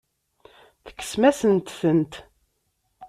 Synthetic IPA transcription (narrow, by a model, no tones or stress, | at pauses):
θə̥kːə̥smæsənt̪θənt̪